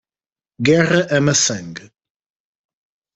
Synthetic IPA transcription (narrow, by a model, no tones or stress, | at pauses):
ɡɛʁɐʔɛmɐsɐ̃ŋɡ